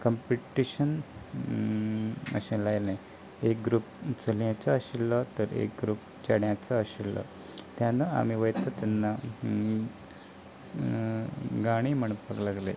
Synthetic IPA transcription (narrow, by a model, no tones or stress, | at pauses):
kəmpiʈiɕən | ə̰ɕẽlajlãj | ek̚ɡɾuːp̚t͡səljãt͡səːɕilːət̪əɾḛk̚ɡɾuːp̚ | t͡ɕaɽjãt͡səːɕilːɔ̰ | t̪janəa̰m̤iʋəjt̪at̪anːa | ɡaɽ̃im̤əɳpəklaɡle